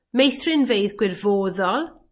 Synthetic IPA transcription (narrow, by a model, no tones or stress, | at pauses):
mejθrɪnveɨðɡwɪrvoːðɔlˠ